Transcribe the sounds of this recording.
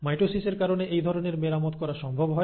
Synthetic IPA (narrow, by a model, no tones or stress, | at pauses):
majʈosiseɾkaɾoneʔejd̪ʱɔɾoneɾmeɾamot̪kɔɾaʃɔmbʱobɦɔe